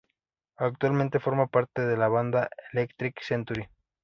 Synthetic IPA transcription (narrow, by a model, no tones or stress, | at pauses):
ak̚t̪walment̪e̞fo̞ɾmapaɾt̪e̞ðe̞laβ̞and̪aʔelekt̪ɾiksent̪uɾi